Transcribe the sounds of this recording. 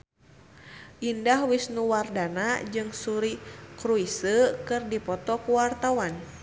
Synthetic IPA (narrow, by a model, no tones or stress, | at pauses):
ʔindahwisnuwardanad͡ʒɨŋsuɾikɾuisəkɨrdipɔt̪ɔkuwart̪awan